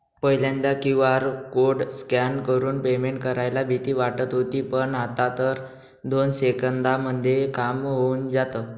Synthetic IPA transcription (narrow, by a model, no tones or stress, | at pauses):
pəɦjlãnd̪akĩʋaɾkoɾɽskankəɾuːnpemeɳʈkəɾajlabʱit̪iːʋaʈət̪ɦot̪iːpəɳat̪at̪əɾ | d̪onsekənd̪aməd̪ʱjekamɦound͡zat̪əː